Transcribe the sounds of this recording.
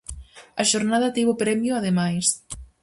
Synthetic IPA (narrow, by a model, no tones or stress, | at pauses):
ɐʃoɾnaðɐt̪eβopɾɛmjoaðemajs